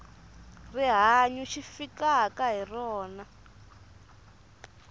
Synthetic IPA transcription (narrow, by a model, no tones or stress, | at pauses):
riɦaɲuʃifikakaɦirɔːna